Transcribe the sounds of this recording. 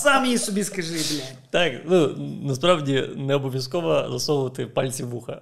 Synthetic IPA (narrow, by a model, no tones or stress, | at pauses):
samjisɔbʲiskɐʒɪblʲa | t̪aknunɐspɾɑʋdʲinɛɔbɔʋʲjɐskɔʋɐzɐsɔʋʊʋɐt̪ɪpalʲt͡sʲiʋuxɐ̰